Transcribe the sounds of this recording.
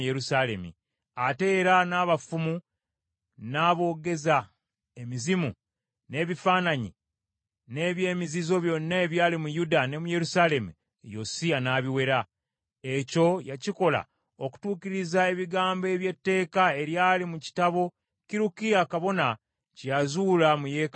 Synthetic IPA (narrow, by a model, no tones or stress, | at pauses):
jeɾusale̞mḭ | ate̞ːɾanaːβafumu | naːβo̞ːɡe̞za | emizimu | ne̞ːβifaːnaɲḭ | ne̞βje̞ːmizizo̞βjo̞nːaeβjaːlimujudane̞muje̞ɾusale̞mṵ | josianaːβiwe̞ɾa | e̞co̞jaciko̞la̰ | oku̥tuːkiɾizaeβiɡaːmbe̞βje̞tːe̞ːkae̞ɾjaːlimuci̥taβo̞ | kiɾukiakaβo̞na | cjazuːlamuje̞ːk